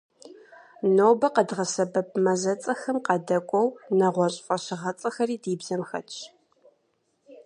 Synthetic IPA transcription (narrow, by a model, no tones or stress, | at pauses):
noːbɐqədʁɐsɐbɐp̚ʰmɐzɐt͡sʼɐxɐmqɐdɐkʷʼɔwnɐʁʷɔɕʼfʼɐɕɪʁɐt͡sʼɐxɐriːdiːbzɐmxɐ̰t͡ʃʰ